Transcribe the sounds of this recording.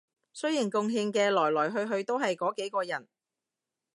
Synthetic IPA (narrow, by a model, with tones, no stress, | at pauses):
sɵ˥ɥjɪ˨˩ŋkʊ˧ŋɦiː˧ŋkɛː˧lɔː˨˩jlɔː˨˩jɦɵ˧ɥɦɵ˧ɥt̪o˥wɦɐ˨jkɔː˨˥ke˨˥jkɔː˧jɐ˨˩n